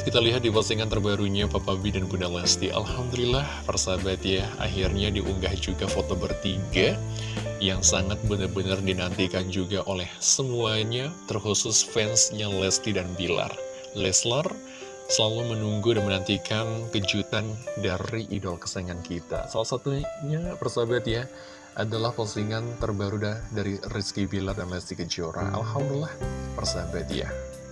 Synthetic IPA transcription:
kit̪aliɦat̪̚diparsiŋkant̪ərbaɾuɲapapabidanbundalɛst̪iʔa̰lhamdulilahfərsabat̪jaa̰ɦirɲadiʔuŋɡahd͡ʒuɡafot̪obərt̪iɡa | jaŋsaŋat̪̚bənarbənardinant̪ikand͡ʒuɡaʔolɛhsəmuaɲat̪ərhusʊsfɛnsɲalɛst̪idanbila̰r | lɛslər | səlalumənuŋɡudanmənant̪ikankəd͡ʒut̪andaɾiʔidɔlkə̥saŋankit̪a̰salasat̪uɲabərsabat̪ja | ʔadalahfɔsiŋant̪ərbaɾudadaɾiriskibilardanlɛst̪ikəd͡ʒoɾa̰ʔa̰lhamdulilːahpərsabat̪ja̰

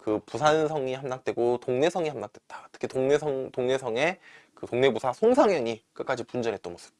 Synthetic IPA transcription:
kɯpusʰansʰʌŋihamnak̚t͈we̞ɡotoŋne̞sʰʌŋihamnak̚t͈we̞t̚t͈ḁtʰɯ̥kʰitoŋnesʰʌŋtoŋne̞sʰʌŋe̞kɯtoŋne̞busʰasʰoŋsʰaŋjʌɲik͈ɯk͈ad͡ʑipund͡ʑʌnɦet͈ʌnmʌs͈ʰɯ̥b̚

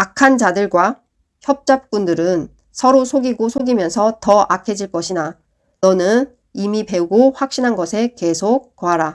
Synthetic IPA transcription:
akʰand͡ʑadɯɭɡwa | çjʌp̚t͡ɕ͈ap̚k͈undɯɾɯn | sʰʌɾosʰoɡiɡosʰoɡimjʌnsʰʌtʌakʰe̞d͡ʑiɭk͈ʌɕʰina | nʌnɯn | imipe̞uɡoɸwak̚ɕ͈inɦanɡʌsʰe̞ke̞sʰok̚koɦaɾa

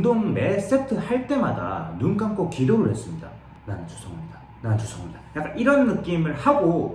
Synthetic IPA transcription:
doŋmes͈etʰɯhaɭt͈e̞mada̰nunk͈amk͈okiɾoɾɯɭhe̞s͈ɯmɲida̰ | ɾanɯnt͡ɕo̥sʰʌŋimɲida | nanɯnt͡ɕosʰʌŋmɲidajak͈aniɾʌnːɯk͈imɯɭhaɡo

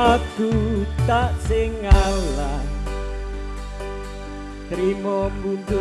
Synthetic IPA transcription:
aɡ̥ut̪aʔsɪŋala | kɾimɔmbund̪ʊ

